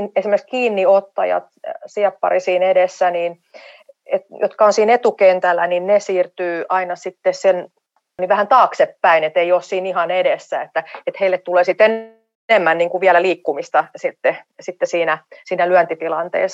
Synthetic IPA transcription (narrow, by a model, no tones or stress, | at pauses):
nesimːekskiːnːiot̪ːɑ̰jɑ̰t̪siɛpːɑ̰risiːnedesːæniːn | et̪jot̪kɑonsiːnet̪ukent̪ælːæ̰ninnesiːrt̪yːʔɑinɑsit̪ːessen | niʋʋæhænt̪ɑːksepːæinet̪eioːssiːnihɑnedesːæet̪ːæet̪heilːet̪t̪uleːsit̪en | emːænniːŋkuʋʋiælæliːkːumist̪ɑsit̪ːesit̪ːesiːnæsiːnælyænt̪it̪ilɑnt̪ḛːs